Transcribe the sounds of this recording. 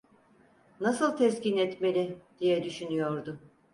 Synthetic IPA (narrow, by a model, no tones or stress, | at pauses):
nasɯlˠt̪ʰɛscinɛt̪me̞lʲid̪̥ijɛd̪yʃynyjo̞ɾd̪ʊ